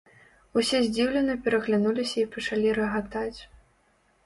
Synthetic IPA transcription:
usʲɛzʲd͡zʲiwlʲɛnɐpʲɛɾɐɣlʲanulʲisʲɐipɐt͡ʂalʲiɾɐɣat̪at͡sʲ

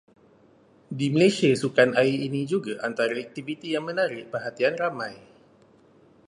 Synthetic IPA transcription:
diməlesiasukanaiinĩd͡ʒuɡaʔant̪aɾaɛk̚t̪ivit̪ijaŋmə̃naɾɪʔpərɦat̪ianramãj

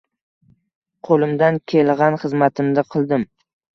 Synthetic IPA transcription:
qʰolˠɪmd̪ankʲʰelˠʁɑnχɨzmat̪ʰɪmd̪ɪqʰɨlˠd̪ɪm

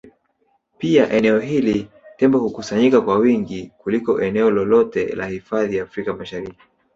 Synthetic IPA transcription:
piaʔɛnɛɔɦili | tɛmbɔhukusaɲikakwawiŋɡikulikɔʔɛnɛɔlɔlɔtɛ̰la̰hifaðijaːfɾikamaʃaɾiki̥

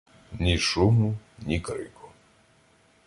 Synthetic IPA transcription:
nʲiʃumunʲikɾɨ̰ku

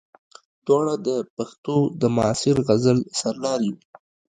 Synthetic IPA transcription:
d̪̥wɑɽad̪əpaxt̪od̪əmʊɑsɪɾɣazəlsaɾlɑɾji

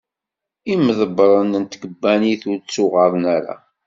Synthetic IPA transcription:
iməðəbɾˤənənt̪ɡəbːæniθʊɾt͡sːʊʁəɾˤnæɾa̰

